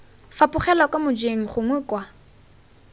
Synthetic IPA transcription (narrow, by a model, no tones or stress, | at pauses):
fapʼʊχɛlakʼamʊd͡ʒeŋ̩χʊŋwɛkʼwa